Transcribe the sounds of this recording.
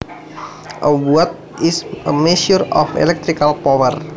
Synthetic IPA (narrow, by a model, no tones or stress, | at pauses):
ʔəwuɔt̪̚ | isʔəmɛsuɾɔfḛlɛk̚t̪ɾikalpɔwər